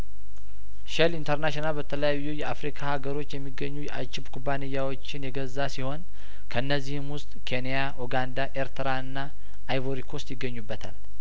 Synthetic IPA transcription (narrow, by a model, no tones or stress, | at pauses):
ʃɛlint̪ʰəɾnaʃonalbət̪ʰələjajːujɛafɾikʰahaɡəɾo̞t͡ʃːjɛmːiɡːəɲːujɛʔa̰t͡ʃɪbkʰubanejːawo̞t͡ʃːɪnjɛɡəzːasiho̞n | kʰəɨnːəzːihɨmwʊst̪ʼkʰe̞nejaʔoɡand̪aʔe̞ɾt̪ʰəɾaɨnːaː | jβoɾikʰo̞st̪jɪɡːəɲːubːət̪ʰa̰l